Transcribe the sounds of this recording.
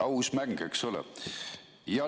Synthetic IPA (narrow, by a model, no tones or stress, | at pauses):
ɑwsmæŋɡ̥eksolɛ̰ | jɑ